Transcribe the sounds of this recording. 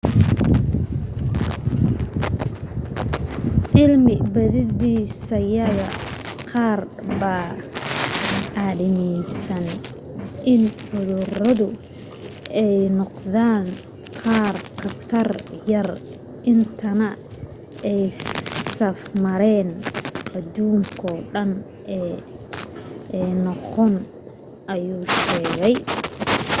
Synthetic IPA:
ʕɪlmɪbɐðɪðiːsɐjɐɣɐqɑːr | bɐ | ʔaðɪmɛjsɐn | ʔɪnħʊðʊrɐðʊ | ɛjnɔqðaːŋ | qɑːrkʰɐt̪ʰɐrjɐr | ʔɪnt̪ʰɐnɐ | ɛjsɐfmɐɾɛːnʔɐd̪uːŋkʰɔːɖɐn | ʔɛː | nɔqɔn | ʔɐjuːʃɛːɣɛj

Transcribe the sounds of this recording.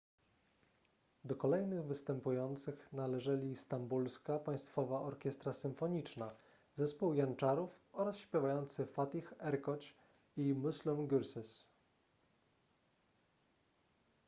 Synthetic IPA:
d̪ɔkɔlɛjnɘɣvɘst̪ɛmpujɔnt̪sɘxnalɛʐɛlʲist̪ambulskapaj̃st̪fɔvaʔɔɾkʲɛst̪ɾasɘmfɔɲit͡ʂna | zɛspuwjant͡ʂaɾufɔɾasɕpʲjɛvajɔnt̪sɘfat̪ixɛɾkɔt͡ɕ | imuslumɡʲuɾsɛs

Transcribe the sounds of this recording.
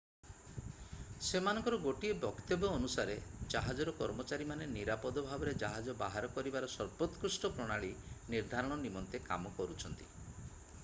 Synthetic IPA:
semanɔ̃ŋkɔɾɔɡoʈiebɔkt̪ebɔːnusaɾed͡ʒaɦad͡ʒɔɾɔkɔɾmɔt͡ʃaɾimaneniɾapɔd̪ɔbʱabɔɾed͡ʒaɦad͡ʒɔbaɦaɾɔkɔɾibaɾɔsɔɾpɔt̪kusʈɔpɾɔɽ̃aɭiniɾd̪ʱaɾɔɽ̃ɔnimɔnt̪eka̰mɔkɔɾut͡ʃʰɔnt̪i̥

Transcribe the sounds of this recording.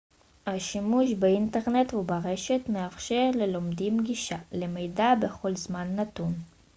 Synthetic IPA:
haʃimuʃbeinte̞ʁne̞t̪hubaʁeʃet̪meafʃe̞ʁle̞lomd̪imɡiʃalemejdabeχo̞lzmanːat̪un

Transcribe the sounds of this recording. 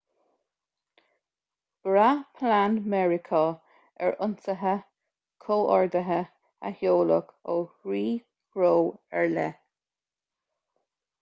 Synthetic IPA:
b̥ɹapʰlanmɛɹɪkʰo | ɛ̰ɹʔʊnsəɦə | kʰoːʔɔɹd̪əɦə | a̰hjoːlə̰koːɹiː | kɾoːɛɹlɛ

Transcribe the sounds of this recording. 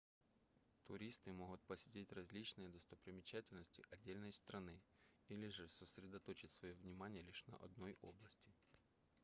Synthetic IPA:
t̪ʊɾʲist̪ɨmoɦʊt̪̚pɐsʲɪtʲitʲrɐzʲlʲit͡ɕnɨjəd̪ɔst̪ɐpɾʲɪmʲɪt͡ɕatʲɪlʲnəsʲtʲɪʔɐdʲːelʲnɐjst̪ɾɐnɪilʲɪʐɛsɐsʲɾʲɪd̪ɐt̪ot͡ɕɪtʲsʋɐjovnʲɪmanʲɪjəlʲiʂnɐ̰ʔɐ̰d̪nojʔoblˠɐsʲtʲɪ

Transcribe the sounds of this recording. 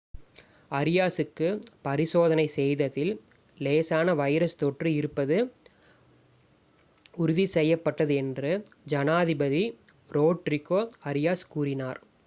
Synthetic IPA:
ɐɾɪjaːsɯkːɯpɐɾɪsoːðɐnɐɪsɛjðɐðɪl | leːsaːnɐʋɐɪɾɐst̪ɔʈrɯɪɾɯpːɐðɯ | ʊɾʊðisɛjːɐpːɐʈːɐðɯɛndrɯd͡ʒɐnaːðɪbɐði | ɾoːʈɾɪkːoːɐɾɪjaːskuːɾɪnaːɾ

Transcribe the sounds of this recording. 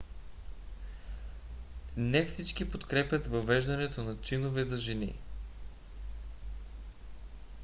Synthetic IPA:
nɛfsit͡ʃkipot̪kɾɛpʲjɐt̪vɐvɛʒd̪ɐnɛt̪onɐt͡ʃinovɛzɐʒɛnḭ

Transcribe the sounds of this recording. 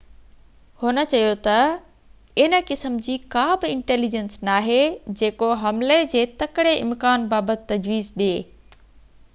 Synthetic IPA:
hʊnə̆t͡ɕɐjot̪ɐ | ɪnəkɪsəmd͡ʑiːkaːbɪɪ̃ɳʈeːlid͡ʑensnaːɦed͡ʑeːkoɦɐmled͡ʑeːt̪ɐkɪɽeɪ̰mkaːnbaːbət̪t̪ːɐd͡ʑʋiːzɗieː

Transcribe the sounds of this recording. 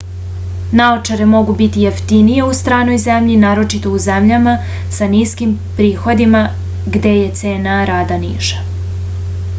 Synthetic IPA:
naot͡ʃaɾemo̞ɡubit̪ijeft̪inije̞ust̪ɾaːno̞jzemʎinaːɾo̞t͡ʃit̪o̞uze̞mʎama | saniːskimpɾiːxo̞d̪ima | ɡd̪e̞je̞t̪se̞ːnaɾaːd̪anḭːʃḁ

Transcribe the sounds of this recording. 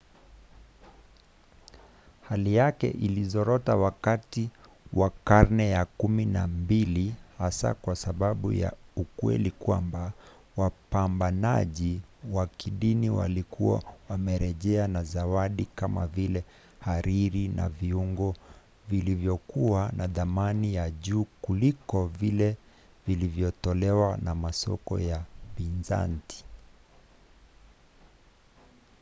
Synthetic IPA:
halijakɛ̰ʔilizɔɾɔtawakati | wakaɾnɛjakuminambilihasa̰kwasaɓaɓṵja̰ukwɛ̰likwamba | wapambana̰ʄiwakiɗiniwa̰likuwa̰wamɛɾɛʄɛanazawaɗikama̰vilɛ | haɾiɾina̰viuŋɡɔ | vilivjɔkuwanʔaðamanijaʄuːkulikɔvilɛ | vilivjɔtɔlɛwanamasɔ̰kɔ̰japinza̰nti̥

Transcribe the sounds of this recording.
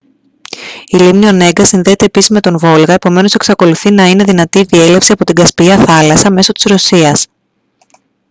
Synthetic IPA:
ilimnio̞ne̞ɡɐsinðe̞ːt̪e̞ːpisizme̞t̪o̞nvo̞lɣɐepo̞me̞no̞se̞ksɐko̞luθinɐine̞ðinɐt̪iðie̞le̞fsiɐpo̞t̪iɡɐspiɐθɐlɐsɐme̞so̞t̪i̥zɾo̞siɐs

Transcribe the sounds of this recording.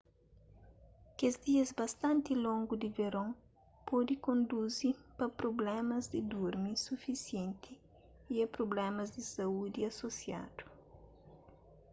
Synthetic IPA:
kezd̪iɐzbɐst̪ɐ̃nt̪ilõŋɡud̪iveɾõŋ | pʰɔd̪ikõnd̪uzipɐpɾoblɛmɐzd̪id̪uɾmisufisjẽnt̪ʰi | iɛpɾoblɛmɐzd̪isɐud̪iɐsosja̰d̪̥u̥

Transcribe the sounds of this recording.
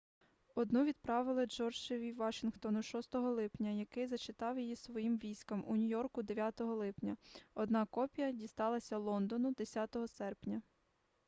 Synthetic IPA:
ɔd̪nuʋʲid̪̚pɾɑʋɪlˠɪd͡ʒɔrd͡ʒɪʋʲiʋɑʃɪnxt̪ɔnʊʃɔst̪ɔɦɔlˠɪpnʲɐjɐkɪjzɐt͡ʃɪt̪ɑwjijisʋɔjimʋʲijsʲkɐmunʲʊjɔrkʊd̪eʋʲjat̪ɔɦɔlˠɪpnʲɐɔd̪nɑkɔpʲijɐdʲist̪ɑlˠɐsʲɐlˠɔnd̪ɔnʊd̪esʲat̪ɔɦɔsɛrpnʲɐ

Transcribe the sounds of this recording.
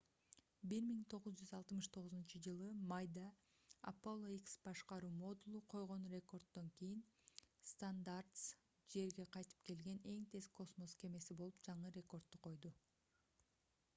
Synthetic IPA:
biɾmiŋt̪ʰo̞ʁuzd͡ʒyzɑlˠt̪mɯʃt̪ʰo̞ʁʊzunt͡ʃɯd͡ʒɯlˠɯmajd̪ɑ̰ː | polˠoiksb̥ɑʃqɑɾuːmo̞d̪ulˠuqʰo̞jʁo̞nrʲe̞ko̞rt̪ːo̞ŋkijinst̪and̪art̪s | d͡ʒe̞ɾɡe̞qʰɑjt̪ɯ̥p̚ke̞lɡe̞ne̞ŋt̪ʰe̞sko̞smo̞ske̞me̞sibolˠupd͡ʒɑɴɯɾʲe̞ko̞rt̪̚t̪ːuqʰo̞jd̪u

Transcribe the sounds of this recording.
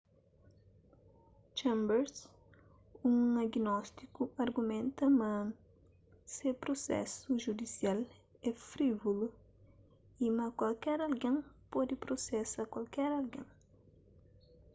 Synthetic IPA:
t͡ʃɛ̃mbɛɾs | ũŋaɡinɔst̪ikuaɾɡumẽnt̪ɐmɐ̃ | sepɾosɛ̰suʒud̪isial | ɛfɾivolu | imɐkwalkɛɾalɡẽŋpɔd̪ɪpɾosɛsakwalkɛɾalɡḛ̃ŋ

